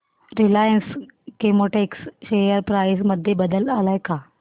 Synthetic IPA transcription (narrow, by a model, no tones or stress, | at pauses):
ɾilajənskemoʈeksɕejəɾpɾajs̬məd̪ʱːjebəd̪əlalajka